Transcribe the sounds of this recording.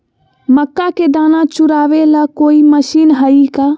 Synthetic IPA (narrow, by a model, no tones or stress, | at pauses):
məkːaked̪aːnat͡ʃuɾaːʋelakoːiməʃiːnɦəika